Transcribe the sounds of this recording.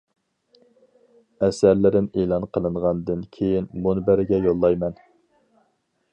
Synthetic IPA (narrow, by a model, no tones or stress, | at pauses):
ɛsæɾlɪɾɪmelˠɑnqʰəlˠɨɴʁɑnd̪ɨnkʲʰejinmunɨbæɾɪɡʲɛjolˠːɑjmɛn